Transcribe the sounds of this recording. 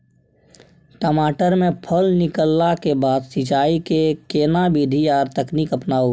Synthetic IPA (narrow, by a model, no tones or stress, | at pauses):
ʈəmaːʈəɾmẽpʰəlnɪkəlːakebaːd̪sɪt͡ʃaːikekeːnabid̪ʱiaːɾt̪əknikəpnaːu